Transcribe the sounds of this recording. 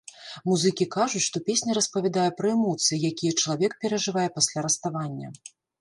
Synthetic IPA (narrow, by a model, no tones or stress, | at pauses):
muzɨkʲikaʐut͡sʲʂt̪ɔpʲesʲnʲɐɾɐspɐvʲɛd̪ajɛpɾɐɛmɔt̪sɨjijakʲijɛt͡ʂɐlˠavʲɛk̚pʲɛɾɐʐɨvajɛpasʲlʲaɾɐst̪avanʲːɐ̰